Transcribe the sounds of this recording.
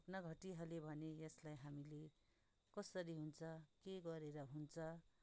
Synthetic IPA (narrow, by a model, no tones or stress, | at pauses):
knʌɡʱʌʈiɦʌlebʱʌnejʌslajɦamile | kʌsʌɾiɦunt͡sʰʌkeɡʌɾeɾʌɦunt͡sʰʌ